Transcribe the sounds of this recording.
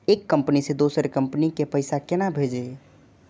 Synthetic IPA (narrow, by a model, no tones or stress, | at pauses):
ekːəmpnised̪osəɾkəmpnikepəɪsakenabʱed͡ʒe